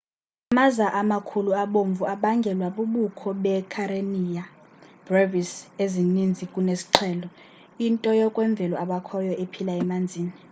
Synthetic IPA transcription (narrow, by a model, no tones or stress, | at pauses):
amazaʔamakʰuluaɓoɱvuaɓaŋɡʱɛlwaɓuɓukʰɔɓɛkʰaɾenija | b̥revisezinind͡zʱikʼunesi̥ǁʰɛːlɔ | intʼɔjɔkʼwɛɱb̪vʱɛlɔaɓakʰɔjɔʔepʰilaɛmand͡zʱiːni